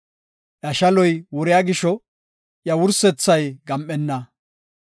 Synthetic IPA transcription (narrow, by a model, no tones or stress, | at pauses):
ʔɐʃɐlɔjwɔɾɪjaɡɪʃɔ | ʔjɐwʊɾsɛt͡sːɐjɡɐmʔːɛnːɐ